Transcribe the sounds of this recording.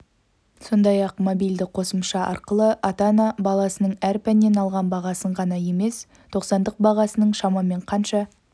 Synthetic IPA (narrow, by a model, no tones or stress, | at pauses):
so̞nd̪ɑjɑqmobijld̪ɪqʰo̞səmʃɑʔɑ̰ɾqəlˠəʔɑt̪anɑbɑlˠɑsənəɴæɾpænːe̞nɑlˠʁɑnbɑʁɑsəɴʁɑnɑje̞me̞s | t̪ʰo̞qsɑnd̪əq̚bɑʁɑsənəɴʃɑmɑme̞ɴqʰɑnʃɑ